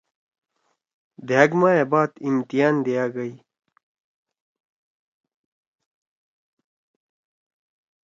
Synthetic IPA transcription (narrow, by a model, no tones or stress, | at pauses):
d̪ejaɡmaːjebaːt̪imt̪ijaːnd̪ejaːɡɐj